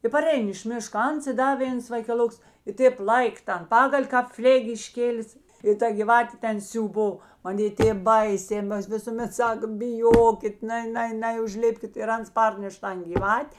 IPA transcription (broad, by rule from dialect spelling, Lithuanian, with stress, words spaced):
ɪ pɐˈrʲɛɪn ɪʃ ˈmʲɪʃkɐ ˈɐns ɪ ˈdɐ ˈʋʲeːns ʋɐɪkʲɛˈlˠoːks ɪ ˈtʲeːp ˈlˠɐɪk ˈtɐn ˈpɑːɡɐlʲ kɑːp ˈfʲlʲeːkʲ ɪʃʲˈkʲeːlʲɪs ɪ ˈtɐ ɡʲiːˈʋɑːtʲeː ˈtʲɛn sʲuːˈboː mɐˈnʲeː ˈtʲeːp ˈbɐɪsʲeː ˈmɐs ʋʲɪsʊˈmʲɛt ˈsɐk bʲɪˈjoːkʲɪt ˈnɐɪ ˈnɐɪ ˈnɐɪ ʊʒʲˈlʲɪpʲkʲɪt ɪr ˈɐns ˈpɐrʲnʲɛʃ ˈtɐn ɡʲɪˈʋɐtʲ